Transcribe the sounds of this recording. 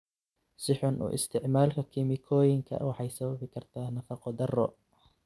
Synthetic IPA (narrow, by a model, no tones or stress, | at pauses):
sɪħʊnʔṵːʔɪ̰st̪ʰɪʕmaːlkʰɐkʰɪmɪkʰɔːjɪŋkʰɐ̰wɑħɑjsɐβɐβɪkʰɐrt̪ʰaːnɐfɑqɔd̪ɐrɔ̰